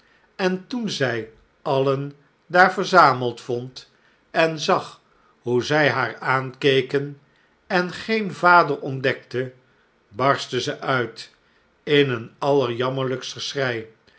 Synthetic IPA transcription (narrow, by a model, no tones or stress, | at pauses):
ɛntunzɛj | ɑlən | daːɹvəɹzaːməlˠtfɔnt | ɛnzɑχ | ɦuzɛjɦaːɹaːnkejkən | ɛnχejnvaːdərɔndɛk̚tə | bɑɹstəzəʔœɥt | ɪnənɑləɹjɑməɹləkstəsrɛj